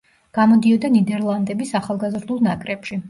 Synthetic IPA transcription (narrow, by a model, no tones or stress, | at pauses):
ɡ̥amɔd̪iɔd̪anid̪ɛɾlˠand̪ɛbisaχalˠɡazɾd̪ulˠnakʼɾɛpʃi